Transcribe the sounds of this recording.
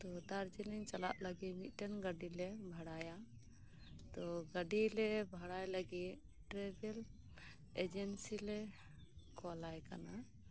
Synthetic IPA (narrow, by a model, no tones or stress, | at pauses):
t̪ɔd̪aɾd͡ʒɛlɛɲt͡ʃala̰ʔləɡimit̪̚ˀʈɛnɡəɖilɛbʱaɽaja | t̪ɔɡəɖilɛbʱaɽajləɡi | ʈɾɛbɛl | ed͡ʒɛnsilɛ | kɔalajka̰na